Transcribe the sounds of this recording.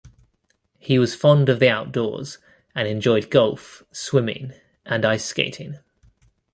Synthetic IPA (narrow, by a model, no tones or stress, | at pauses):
hiwɒz̥fɒ̃ndəvðiaʊʔd̥ɔ̰ːz̥ | ə̃nɛ̃nd͡ʒɔɪd̚ɡʌlˠfswɪ̃mɪ̰̃ŋ | ʔə̃naɪskḛɪtʰɪ̃ŋ